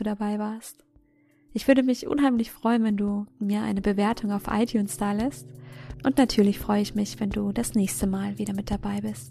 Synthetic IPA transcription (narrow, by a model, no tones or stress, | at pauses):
uːdabaɪvaːɐst | ʔɪçv̥ʏɐɾəmɪçʔʊ̰nɦaɪmlɪçfʁ̥ɔʏənvɛnduːmiːɐʔa̰ɪnəbəveːɐtʰʊŋaʊfʔa̰ɪtʰjuːnsd̥aːlɛstʔʊntnatʰyːɐlɪçfʁ̥ɔʏəɪçmɪçv̥ɛnduːdasnɛːçstəmaːlviːɾɐmɪt̚d̥abaɪbɪst